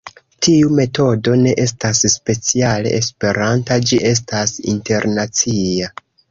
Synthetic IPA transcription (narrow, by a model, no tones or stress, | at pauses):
tiume̞to̞do̞ne̞ʔe̞stasspe̞t͡siale̞̰ʔespe̞ɾantad͡ʒiʔe̞s̬tasḭnte̞ɾnat͡sia